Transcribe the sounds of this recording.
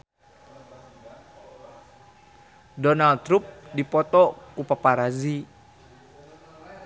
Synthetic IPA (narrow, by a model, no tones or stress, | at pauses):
dɔnalt̪ɾup̚dipɔt̪ɔkupapaɾazi